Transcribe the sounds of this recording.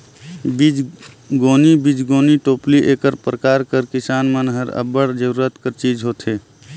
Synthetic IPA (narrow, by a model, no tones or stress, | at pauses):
bid͡ʒ | ɡoːnibid͡ʒɡoːniʈoːpliʔeːkəɾpɾəkaːɾkəɾkɪsaːnmənɦəɾə̰bəɽd͡ʒəɾuːɾət̪kəɾt͡ʃiːd͡ʒɦoːt̪ɦeː